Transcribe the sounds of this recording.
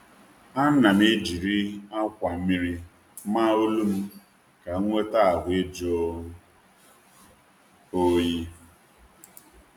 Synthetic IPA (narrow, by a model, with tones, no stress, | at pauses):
a˦na˨m˦e˦d͡ʒi˨ɾi˦a˦kʷa˨˦mi˦ɾi˦ | ma˦o˦lu˦m̩˦ | ka˨˦ŋʷe˦ta˦a˨ɦʷe˦d͡ʒo˦ | o˦ji˦